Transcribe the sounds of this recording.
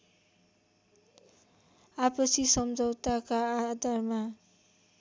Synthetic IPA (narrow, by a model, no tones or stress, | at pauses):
apʌsʰisʌmd͡zʌwt̪akaad̪ʱarma